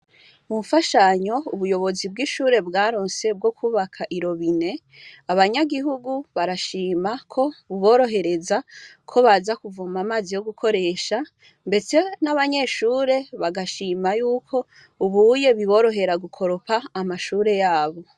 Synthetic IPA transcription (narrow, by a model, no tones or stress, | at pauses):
muufaʃaɲo̞uβujo̞βo̞zib̚ɡiʃuːɾe̞bɡaːɾoːnse̞b̚ɡo̞kʰuːβakʰaʔiɾo̞βine̞ | aβaɲaɡiɦuɡuβaɾaʃiːmakʰo̞βuβo̞ːɾo̞ɦe̞ɾe̞zakʰo̞βazakuvumamaːzijo̞ɡukʰo̞ɾe̞ːʃa | mbe̞se̞naβaɲe̞ʃuːɾe̞βaɡaʃiːmajuːkʰo̞ | uβuje̞βiβo̞ɾo̞ɦe̞ɾaɡukʰo̞ɾo̞paːmaʃuːɾe̞jaːβo̞